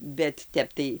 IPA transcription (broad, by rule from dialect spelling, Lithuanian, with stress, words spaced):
bʲɛt ˈtʲɛp tɐɪ